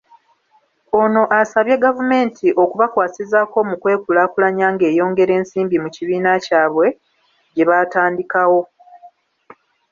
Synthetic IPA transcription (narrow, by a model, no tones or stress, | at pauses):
o̞no̞ʔasaβje̞ɡavume̞ːntʰiʔo̞kuβakwaːsizaːko̞mukwe̞ːkulaːkulaɲaːŋɡe̞ːjo̞ːŋɡe̞ɾe̞ːnsiːmbimuciβiːnacaːβwe̞ | ɟe̞βaːtaːndikawo̞